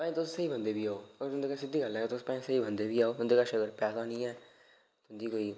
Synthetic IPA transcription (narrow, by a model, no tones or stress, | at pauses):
pãːĩːt̪ʊssəiːbənd̪eːbiːaːoːəɡɾɦʊnd̪eːkaːsɪd̪iːɡəlɛːet̪ʊspãːĩːsəiːbənd̪eːbiːaːoːʊ̃nd̪eːkaːʃəɡəɾpɛːsaːnĩːɛː | t̪ʊ̃nd̪iːkoːiː